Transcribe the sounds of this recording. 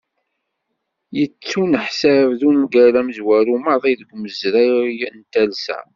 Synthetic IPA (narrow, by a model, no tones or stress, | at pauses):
jət͡sːunəħsævðunɡæɾæmzwæɾuməðˤiðəɡʷməzɾæjnt̪ælsæ̰